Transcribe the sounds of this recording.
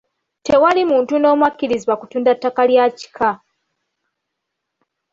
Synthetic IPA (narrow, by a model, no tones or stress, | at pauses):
te̞walimuːntuno̞ːmwakːiɾiziβwakutuːndatːakaljaci̥kʰa